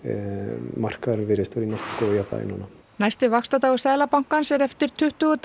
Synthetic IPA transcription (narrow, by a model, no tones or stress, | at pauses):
mar̥kaðɾmvɪɾɪst̪ɔɾinɔht̪kɔjapa̰ːjɪ̰nɔna | najst̪ɪvakst̪at̪aːwʏsaːðlapawŋ̥kansɛɾɛft̪ɪɾ̥t̪ʰʏht̪ʏɔt̪